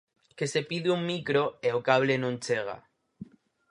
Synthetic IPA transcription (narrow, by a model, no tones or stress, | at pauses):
kesepiðiuŋmikɾoeokaβlenõnt͡ʃeɣ̞a̰